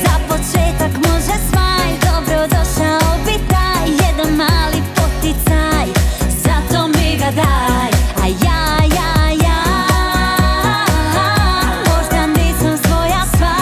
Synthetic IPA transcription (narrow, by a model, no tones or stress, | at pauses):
zapɔt͡ʃɛːt̪ɔkmɔʒɛsmajd̪ɔbɾɔd̪ɔʃabit̪ajjɛd̪ɛnmaːlipɔt̪it͡sajzat̪ɔmiɡad̪ajajajaja | mɔʒd̪anɛsɔmsʋɔjasʋa